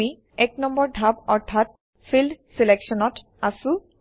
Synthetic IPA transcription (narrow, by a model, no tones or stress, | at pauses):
i | ɛknɔmbɔɹdʱabɔɹt̪ʰat̚ | fʰildsileksɔnɔt | asũ